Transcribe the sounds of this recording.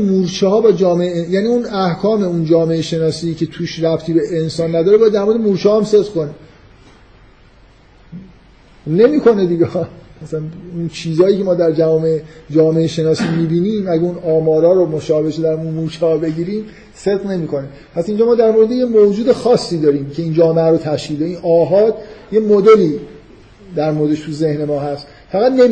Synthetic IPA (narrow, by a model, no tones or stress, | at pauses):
muːɾt͡ʃʰɛhɒːbɒːd͡ʒɒːme̞ejæːniunæhkʰɒːme̞und͡ʒɒːme̞eʃe̞nɒːsiːcʰe̞t̪ʰuːʃræpt̪ʰiːbe̞ʔensɒːnːæd̪ɒːɾebɒjæd̪æɾmoɾeemuɾt͡ʃʰɛhːæmse̞d̪ʁ̥kʰo̞ni | ne̞miːkʰo̞ned̪iɟeæsænunt͡ʃʰiːzɒːjiːkcʰe̞mɒːd̪æɾd͡ʒævɒːmeed͡ʒɒːmeeʃe̞nɒːsiːmiːbiːniːmæɟæunɒːmɒːɾɒːɾomoʃɒːbe̞ʃed̪æɾunmuːʃʰɒːbe̞ɟiːɾiːm | se̞d̪ʁne̞miːkʰo̞ne | pʰæsind͡ʒɒːmɒːd̪æɾmo̞ɾed̪e̞jemod͡ʒuːd̪e̞xɒːsːiːd̪ɒːɾiːmcʰe̞iːnd͡ʒɒːmeæɾot̪ʰæʃcʰild̪einʔɒːɦɒːd̪je̞mod̪e̞liː | d̪æɾmoɾd̪e̞ʃt̪ʰuze̞hne̞mɒːɦæst̪ | fæɣæd̪nem